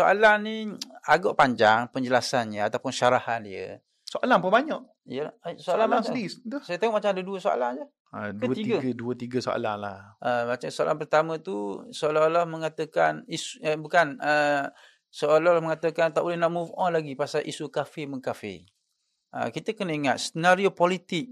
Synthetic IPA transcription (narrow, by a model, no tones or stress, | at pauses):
soʔa̰laniaɡɔʔpaɲd͡ʒaŋpəɲd͡ʒəlasanɲəat̪awpʊnʃaɾahandiə̰ | soʔalaŋpubaɲaʔ | ijəlsoalamaŋsdisdəsajət̪eŋɔʔmat͡ʃamadəduəsoa̰laŋd͡ʒə | ədət̪iiɡəɡəduət̪iɡəso̰a̰la̰ŋlahʔəmat͡ʃamsoa̰lʔanpərt̪amə̃t̪usoalalahməŋat̪əkanisəbukanə | soalalahməŋat̪əkant̪aʔbolɛhnaʔmufɔnlaɡipasaʔisukafɪməŋkafɪ̰ | ʔə̰kit̪əkənəiŋat̪̚st̪ənaɾiopolit̪ɪk̚